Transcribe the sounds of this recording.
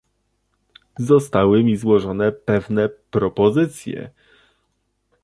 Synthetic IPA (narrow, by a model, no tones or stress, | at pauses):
zɔst̪awɘmʲizwɔʐɔnɛpɛvnɛpɾɔpɔzɘt̪sʲjɛ̰